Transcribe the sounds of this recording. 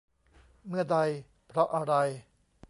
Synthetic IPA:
mɯ˥˩ɐda˧j | pʰɾɔ˦˥ʔa˧ɾa˧j

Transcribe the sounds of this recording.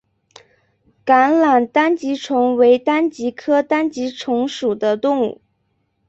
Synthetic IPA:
ka˧˥nla˨˩nt̪a˥nt͡ɕi˧˥ʈ͡ʂʰʊ˧˥ŋwe˧˥ɪt̪a˥nt͡ɕi˧˥kʰɤ˥t̪a˥nt͡ɕi˧˥ʈ͡ʂʰʊ˧˥ŋʂu˨˩d̪ə˦t̪ʊ˥˧ŋṵ˥˩

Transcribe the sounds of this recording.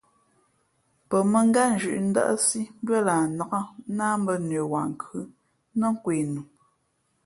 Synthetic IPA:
pə˨mə˨ŋ̩˦ɡa˦n̩˨˦d͡ʒʉ˨ʔn̩˦da̰˦ʔə̰˦si˦m˦bə˦laː˨na˨ka˦naː˦m˦bə˦ne˨wa˨ŋ̩˨kʉ˦ | nə˦ŋ̩˦kwe˨nu˨

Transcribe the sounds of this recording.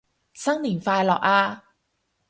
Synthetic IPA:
sɐ˥ŋniː˨˩nfaː˧jlɔː˨˩k̚aː˧

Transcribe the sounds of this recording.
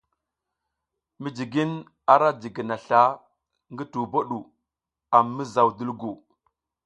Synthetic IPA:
mi˨d͡ʒi˨ɡi˦n | a˦ɾa˦d͡ʒi˨ɡi˨na˨ɬa˦ | ŋɡə˦tu˨bo˦ɗu˨ | a˨mːi˦za˨wdi˦lɡu˨

